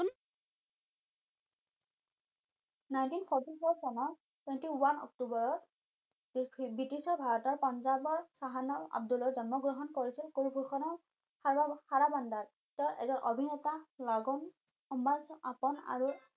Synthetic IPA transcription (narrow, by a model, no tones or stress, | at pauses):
un | najntinpʰɔɹtifʰoɹsɔnɔɹ | twɛntiwanɔ̰k̚tubɔɹɔ | bitisɔɹbʱaɹɔtɔɹpɔnzabɔɹsaɦanɔɹa̰b̚dulɔɹzɔnmɔɡɹɔɦɔnkoɹisilkoɹbʱuxʰɔnɔɹ | aɹbahaɹabandaɹ | tɔɹʔɛ̰zɔnʔobʱinɛtalɔɡɔn | ɔmbaza̰pɔna̰ɹu